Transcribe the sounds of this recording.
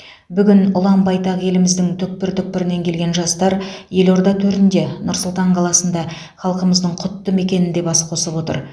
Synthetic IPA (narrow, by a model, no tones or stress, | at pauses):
bʏɡʲɪnʊlˠɑmbɑjt̪ɑʁje̞lɪmɪzd̪ɪŋt̪ʰʏk̚pɪɾt̪ʰʏk̚pːɪɾɪne̞ŋkʲʰe̞lɡʲe̞nʒɑst̪ɑɾje̞lo̞ɾd̪ɑt̪ʰɵɾt̪ɪnd̪e̞nʊɾsʊlˠt̪ɑɴqʰɑlˠɑsənd̪ɑ | χɑlˠqəməzd̪əɴqʰʊt̪ːəme̞kʲe̞nɪnd̪e̞bɑsqʰo̞səbwo̞t̪ə̰ɾ